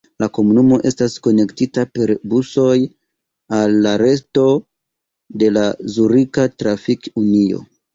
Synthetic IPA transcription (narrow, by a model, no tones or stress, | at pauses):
lako̞munumo̞ʔe̞stasko̞ne̞ktitape̞ɾbuso̞j | alːaɾe̞sto̞ | de̞lazuɾikatɾafikunio̞̰